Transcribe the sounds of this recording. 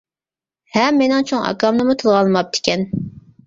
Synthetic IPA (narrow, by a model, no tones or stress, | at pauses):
hɛmːenɪŋt͡ʃʰoŋʔɑ̰kɑmnɨmut̪ʰɨlˠʁɑlˠmɑp̚t̪ʰɪ̥kʲʰɛn